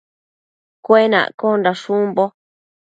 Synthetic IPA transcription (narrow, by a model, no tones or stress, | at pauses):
kʷenã̰ʔkondaʃũmbo